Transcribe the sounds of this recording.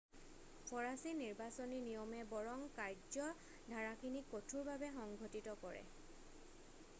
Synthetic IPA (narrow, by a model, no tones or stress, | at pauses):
pʰɔɹasiniɹbasoninijɔmɛbɔɹɔŋkaɹd͡ʒɔ | dʱaɹakinikotʰuɹbabɛxɔŋɡʱotitɔkɔɹɛ̰